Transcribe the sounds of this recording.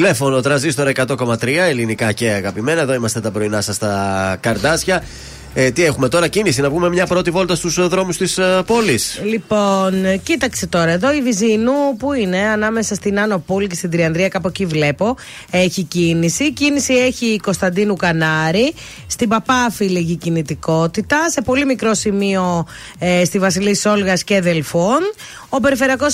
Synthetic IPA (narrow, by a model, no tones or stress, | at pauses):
t̪ile̞fo̞not̪ɾɐzist̪o̞ɾɐe̞kɐt̪o̞ko̞mɐt̪ɾiɐe̞linikɐce̞ɐɣɐpime̞nɐe̞ðo̞imɐst̪e̞t̪ɐbɾo̞inɐsɐst̪ɐkɐɾd̪ɐsçɐ | t̪iexume̞t̪o̞ɾɐcinisinɐvume̞mɲɐpɾo̞t̪ivo̞lt̪ɐst̪usðɾo̞must̪ispo̞lislipo̞ncit̪ɐkset̪o̞ɾɐe̞ðo̞ivizinupuine̞ɐnɐme̞sɐst̪inɐno̞police̞st̪ind̪ɾiɐnd̪ɾiɐkɐpocivle̞po̞ | e̞çicinisicinisie̞çiko̞st̪ɐnd̪inukɐnɐɾi | st̪ibɐpɐfiliʝicinit̪iko̞t̪it̪ɐse̞po̞limikɾo̞simio̞ | st̪ivɐsiliiso̞lɣɐsceðelfon | o̞pe̞ɾife̞ɾiɐko̞s